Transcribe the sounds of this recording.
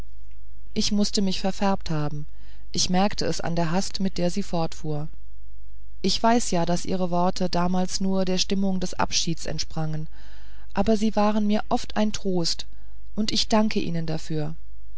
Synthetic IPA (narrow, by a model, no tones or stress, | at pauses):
ʔɪçmʊstəmɪçfɛɐfɛɐp̚thaːbm̩ | ʔɪçmɛɐktʰəɛsa̰ndeːɐɦastmɪt̚d̥eːɐziːfɔɐtfuːɐ | ʔɪçv̥aɪsjaːdasʔḭːʁ̞əvɔɐtʰədaːmaːlsnuːɐdeːɐʃtɪmʊŋdɛsʔa̰pʃiːtsɛ̰ntʃpʁ̥aŋən | ʔaːbɐziːvaːʁ̞ənmiːɐʔɔftʔaɪntʁ̥oːst | ʔʊntʔɪçd̥aŋkʰəʔḭːnəndafyːɐ